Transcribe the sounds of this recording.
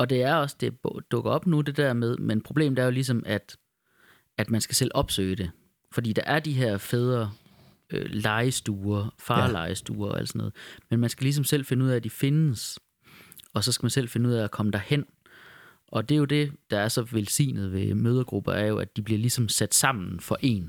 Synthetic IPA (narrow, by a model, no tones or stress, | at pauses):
ɒ̽d̥e̝æɐɒ̽sd̥e̝bd̥ɔ̽ɡ̥ɐɒ̽b̥nud̥e̝d̥æɐ̰með̞ˠmenpʰʁo̝b̥le̝̰ːmd̥eæɐjo̝lis̬ɒ̽mʔæd̥ | æd̥mænsɡ̥æsel̰ʔɒ̽b̥sø̰ːɪəd̥e̝ | fɒ̽d̥ḭːd̥ɑ̈ʔæɐd̥iɦeɐ̰feð̞ˠɐ | ølɑ̈ɪəsd̥uːɐfɑːlɑ̈ɪəsd̥uːɐɒæ̰l̰̥sɒnɔːð̩ˠmenmænsɡ̥ælis̬ɒ̽msel̰fe̝nəuð̰ˠæːd̥ife̝nəs | ɒ̽sɒ̽sɡ̥æmænsel̰fe̝nəuð̰ˠæækʰɒ̽məd̥æɐhen̰ | ʔɒ̽d̥e̝jo̝d̥e̝d̥ɑ̈æɐsɒ̽ʋelsḭːnð̞̩ˠʋe̝møːð̞ˠɐɡ̥ʁub̥ɐæɐjo̝æd̥ib̥liɐlisɒ̽msæd̥sɑ̈m̰n̩fɒ̽ʔe̝̰ːn